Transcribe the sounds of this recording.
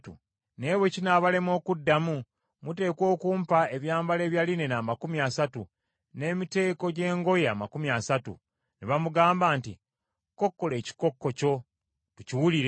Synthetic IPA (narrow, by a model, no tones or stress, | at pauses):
tṵ | ne̞ːβwe̞cinaːβale̞mo̞ːkudːamu | mute̞ːko̞ːkuːmpae̞βjaːmbale̞ːβjaline̞naːmakumiasatu | ne̞ːmite̞ːko̞ɟe̞ːŋɡo̞jamakumiasatṵ | niβamuɡaːmbaːnti | ko̞kːo̞le̞ːci̥ko̞kːo̞co̞ | tuciwuliɾe